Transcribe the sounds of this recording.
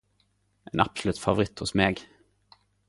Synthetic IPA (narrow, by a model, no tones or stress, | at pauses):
ʔɛnɑpsʊlʉːt̪favʊɾɪt̪ːhʊsmeːɡ